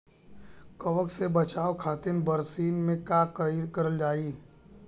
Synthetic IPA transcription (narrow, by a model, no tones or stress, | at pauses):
kɐʋəksebɐt͡ʃaːokʰaːt̪ɪnbəɾsiːnmẽkakkɐɾəld͡ʒaːiː